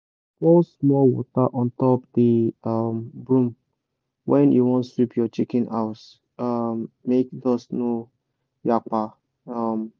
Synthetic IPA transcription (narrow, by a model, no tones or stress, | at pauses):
fɔlsmɔwɔ̰taʔɔ̃ntɔpdimbɹũm | wʔɛ̃njuwɔ̃nsipʰjɔt͡ʃikɛ̃na̰ʊs | amːekdɔsno | jak͡pa | am